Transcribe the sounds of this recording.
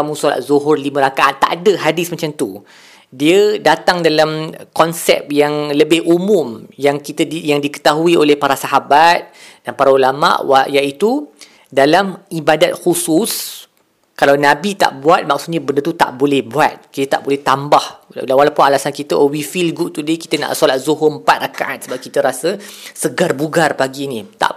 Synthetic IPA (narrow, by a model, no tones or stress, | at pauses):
amũsala̰ʔ̪̚zuɦʊrlimãɾakaʔant̪a̰ʔadəɦadɪsmat͡ʃamt̪u | diədat̪aŋdalamkɔnsɛ̰p̚jaŋləbɪhʔumũmjaŋkit̪əjaŋdikə̥t̪aɦuiolɛhpaɾasaɦabat̪̚ | danpaɾaulama̰ʔwajaʔit̪u | dalamibadat̪̚xusus | kalawnãbit̪a̰ʔbuat̪̚maksut̪ɲabəndərt̪ut̪a̰ʔbolɛhbuat̪̚kit̪ət̪a̰ʔbolɛht̪ambahdawalapunalasankit̪əʔowifilɡuʔt̪udiki̥t̪əna̰ʔsolat̪̚zoɦʊpat̪̚rakaʔat̪̚səbap̚kit̪əɾasəsəɡarbuɡarpaɡiːnĩt̪a̰ʔ